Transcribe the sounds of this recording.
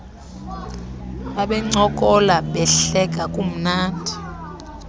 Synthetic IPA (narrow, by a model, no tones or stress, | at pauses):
ɓaɓɛŋ͡ǀɔkʼɔlaɓɛɬɛk̬ʼakʼum̩naːndʱi